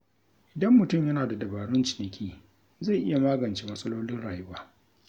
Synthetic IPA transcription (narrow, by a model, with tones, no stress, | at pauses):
ʔɪ˨dɐ˦mːʊ˨tʊ˦˨mjɐ˦naː˨da˨dɐ˨baː˨ɽʊ˦nt͡ʃɪ̥˨nɐ˨kʲʰiː˦ | za˦˨jʔɪ˦ja˨maː˦ɡɐ˨nt͡ʃi˦mɐ˦sʼɐ˦loː˦lɪ˦nɽaː˨jʊ˦waː˦